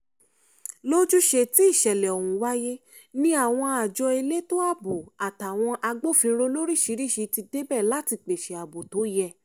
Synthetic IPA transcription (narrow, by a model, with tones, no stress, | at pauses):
lo˦d͡ʒu˦ʃe˧ti˦i˦˨ʃɛ˨lɛ˨ɔ˨wũ˨wa˦je˦ | nĩ˦a˦˨w̃ɔ̃˧a˨d͡ʒɔ˧e˧le˦to˦a˦˨bo˨a˨ta˨w̃ɔ̃˧ʔa˧ɡ͡bo˦˨fĩ˧ɾo˧lo˦ɾi˦˨ʃi˨˧˦ɾi˦˨ʃi˧ti˧de˦bɛ˦˨la˦ti˧k͡pe˨ʃe˨a˨bo˨to˨˦jɛ˧˨